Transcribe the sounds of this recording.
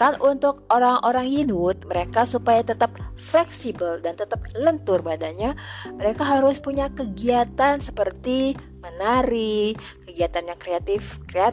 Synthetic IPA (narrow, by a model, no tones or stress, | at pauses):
kanunt̪ʊk̚oɾaŋʔoɾaŋjinʊt̪̚məɾekasupajat̪ət̪əp̚ | flɛksibəldant̪ət̪əp̚lənt̪ʊrbadaɲaməɾekaɦaɾʊspuɲakəɡiat̪ansəpərt̪i | mənaɾi | kəɡiat̪anjaŋkɾeat̪ɪfkɾea